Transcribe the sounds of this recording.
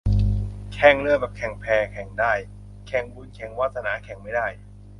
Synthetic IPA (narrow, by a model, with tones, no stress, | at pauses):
kʰɛ˧˩ŋlɯ˥˩əbɛː˨˩p̚kʰɛ˨˩ŋpʰɛː˧kʰɛ˨˩˦ŋdaː˥˩j | kʰɛ˨˩˦ŋbu˧nkʰɛ˨˩˦ŋwaː˥˩t̪̚sa˧naː˩˦kʰɛ˨˩˦ŋma˥˩jdaː˥˩j